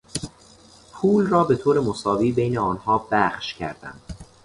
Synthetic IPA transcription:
pʰuːlrɒːbe̞t̪ʰoːɾe̞mosɒːviːbe̞jne̞ɒːnhɒːb̥æxʃcʰæ̰ɾd̪æ̰nd̪̥

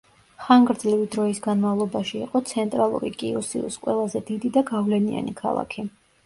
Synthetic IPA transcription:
χaŋɡɾd̪zlivid̪ɾɔisɡanmavlˠɔbaʃiːqʼɔt̪sʰɛnt̪ʼɾalˠṵɾḭkʼiusḭṵskʼwɛ̰lˠazɛd̪id̪id̪aɡavlɛnia̰nikʰa̰lˠa̰kʰi

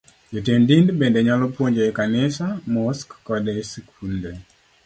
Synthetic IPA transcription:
d͡ʒotendindbendɛɲalɔpwoɲd͡ʒoɛkanɪsamɔskːɔdɛsekʰunde

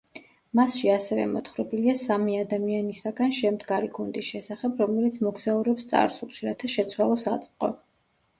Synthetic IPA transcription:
masʃiasɛvɛ̰mɔt̪ʰχɾɛbiliasamiad̪amianisaɡanʃɛmd̪ɡaɾiɡund̪isʃɛsaχɛbɾɔmɛlit̪sʰmɔɡzauɾɛpst̪sʼa̰ɾsulˠʃiɾat̪ʰaʃɛt̪sʰwalˠɔsa̰t̪sʼqʼɔ̰

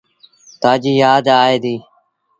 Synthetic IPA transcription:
t̪aːd͡ʒiːjaːd̪aːeːd̪iː

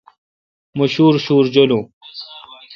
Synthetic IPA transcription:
mɐɕuːɾɕuːɾd͡ʑɐlu

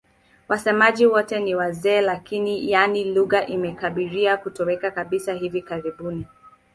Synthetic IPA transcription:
wʔasɛmaʄiwɔtɛniwazɛːlakinijaniluɣaʔimɛkaɓiɾiakutɔwɛkakaɓisaɦivikaɾiɓuni

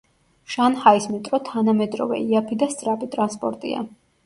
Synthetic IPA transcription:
ʃanhaismit̪ʼɾɔt̪ʰanamɛd̪ɾɔ̰vɛ̰iapʰid̪ast̪sʼɾapʼit̪ʼɾanspʼɔɾt̪ʼḭa̰

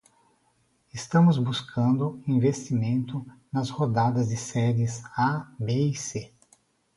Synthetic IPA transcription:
ɪst̪ɐ̃mʊzbuskʰɐ̃nd̪ʊĩvest͡ʃimẽnt̪ʊnɐzhod̪ad̪ɐzd͡ʒɪsɛɾɪsabeise

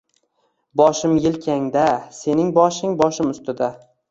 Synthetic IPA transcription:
bɒʃɪmjɪlkʲʰaŋd̪ase̞nɪŋbɒʃɪŋbɒʃɪmʊst̪ɪd̪a

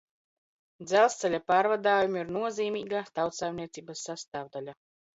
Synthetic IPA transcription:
d̪zælˠst̪sɛlʲapaːɾvad̪aːjumiɾnuɔziːmʲiːɡat̪awt̪sɛjmnʲiɛt̪siːbasːast̪aːvd̪alʲa

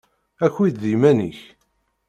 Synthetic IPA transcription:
æçwid̪ðimænḭç

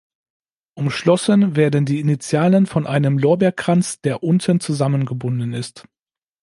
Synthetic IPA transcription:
ʔʊmʃlɔsənveːɐdən̩diːinit͡sjaːlənfɔnʔaɪnəmlɔːɐbɛɐkʁ̥ant͡sd̥eːɐʔʊntʰənt͡suzamənɡəbʊndn̩ɪst

